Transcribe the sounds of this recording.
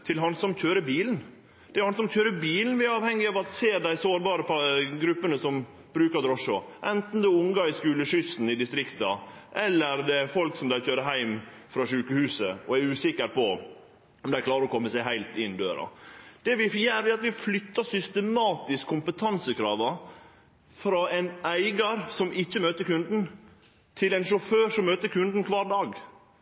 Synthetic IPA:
t̪ʰɪlɦɑnsɔmçøːɾəbiːln̩ | d̪̥ɛɾhɑnsɔmçøːɾəbiːln̩ʋɪæɾɑːʋhɛŋːɪɑːʋɑt̪seːd̪æɪsoːɾbɑːɾəpʰɑɡɾʉpːənəsɔm | bɾʉːkəɾd̪ɾɔʂɔʔɛnt̪n̩d̪ɛʊŋɡɑɪskʉːləʂʏst̪n̩ɪd̪ɪst̪ɾɪkt̪ɑʔɛlːəɾd̪ɛfɔlksɔmd̪æɪçøːɾəɦæɪm | fɾɑʂʉːkəhʉːsəɔæɾʉːsɪkːəɾpɔ | ɔmd̪ɛækʰlɑːɾəɾɔkʰɔmːəsæɪɦæɪlt̪ɪnd̪øːɾɑ̰d̪̥ɛʋɪfjæːɾæɑt̪ʋɪflʏt̪ːɑsʏst̪əmɑːt̪ɪskʰːʊmpət̪ʰɑnsəkʰɾɑːʋɑ | fɾɑɛɪnæɪɡɑɾsɔmɪçːəmøːt̪əɾkʉnd̪n̩ | t̪ʰɪlɛɪnʃʊføːʂɔmːøːt̪əɾkʰʉnd̪n̩kʰʋɑːɾɖɑːɡ

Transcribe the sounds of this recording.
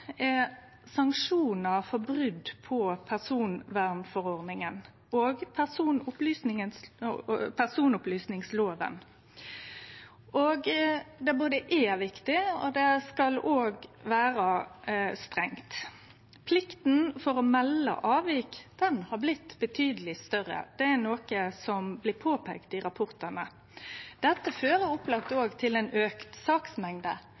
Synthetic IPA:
ɛ | sɑŋkʂuːnəɾfɔbɾʏd̪pʰɔpʰæʁsuːnʋæʁnfɔɾɔʁd̪nɪŋən | oːɡpʰæʁsuːnʊplyːsnɪŋəns | pʰæʁsuːnʊplyːsnɪŋsloːʋə̰n | ʔoːɡd̪ɛboːd̪əʔɛʋɪkt̪ɪɔ̰d̪ɛskɑloːɡʋæːɾə | st̪ɾɛŋt̪ | pʰlɪkt̪n̩fɔɾɔmɛlːə̰ʔɑːʋiːkd̪̥ɛnhɑɾblɪt̪ːbət̪ʰyːd̪əlɪst̪œʁːə̰d̪̥ɛæɾnoːkəsɔmblɪːpʰoːpʰɛ̰kt̪ɪɾɑpʰʊɾt̪ənə | d̪̥ɛt̪ːəføːɾəʊplɑk̚t̪oːɡt̪ʰɪlɛnøːkt̪sɑːksmɛŋd̪ə̰

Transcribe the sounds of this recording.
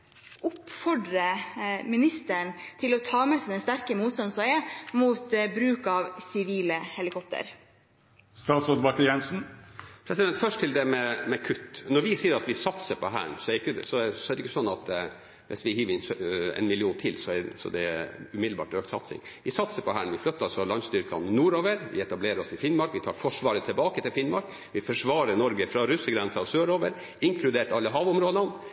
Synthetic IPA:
ʊpfɔɖɾəmɪnɪst̪əɳt̪ʰɪlɔt̪ʰɑːmɛsd̪ɛnst̪æɾkəmuːt̪st̪ɑnsɔəmuːt̪bɾʉːkɑʋsɪʋiːləhɛlɪkʰɔp̚t̪ə̰ɾ | st̪ɑːt̪sɔd̪bɑkːəɾjɛnsn̩pʰɾɛsɪd̪ɛnt̪fœʂʈ̪ʰɪld̪ɛmɛmɛkʰʉt̪ːnɔɾʋɪsiːəɾɑt̪ʋɪsɑt̪səpʰɔɦæ̰ːɳsɔɛɾɪkːəsɔsɔɛɾɪkːəsɔnːɑt̪ | ʋɪ̰sʋɪhiːʋɪnsɛ̰nmɪlɪuːnt̪ʰɪlsɔɛsɔ̰d̪ɛʉmɪd̪lbɑ̰ːʈɾøːkt̪sɑ̰t̪sɪ̰ŋ | ʋɪsɑt̪səpʰɔɦæːɳʋɪflœt̪ːɾɑlsɔlɑnst̪yːɾkʰɑnɪnuːɾoːʋəɾʋɪ̰ɛt̪ɑbleːɾəɾɔsɪfɪnmɑɾkʋɪt̪ʰɑːɾfɔʂʋɑːɾət̪ʰɪlbɑːkət̪ɪlfɪnmɑɾk | ʋɪfœʂʋɑːɾəɾnɔɾɡəfɾɑɾʉsːəɡɾɛnsəɑsøːɾoːʋəɾ | ɪŋkʰlʉd̪eːʈɑlːəɦɑːʋʊmɾoːd̪ɑn

